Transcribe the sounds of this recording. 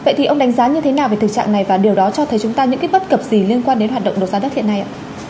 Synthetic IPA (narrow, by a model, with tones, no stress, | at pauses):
və̰˧˨jt̪i˨˩ʔə˧wŋ͡mɗa˨˦ŋ̟zaː˨˦ɲɨ˧t̪ʰe˨˦naː˨˩wve˨˩t̪ɨ˨˩k̚t͡ɕa̰ː˧˨ŋna˨˩jvaː˨˩ɗi˨˩əwɗɔ˨˦t͡ɕɔ˧t̪ʰə˨˦jt͡ɕʊ˨˦ŋ͡mt̪aː˧ɲɨ̰˧˥ki˦˥j̚ɓə˦˥t̚kə˨˩p̚zi˨˩li˧ənkwaː˧nɗe˨˦nɦwa˨˩ɗə̰˧˨ŋ͡mɗo˨˩zaː˨˦ɗə˦˥t̚hḭ˧˨nːa˧jʔa̰ː˧˨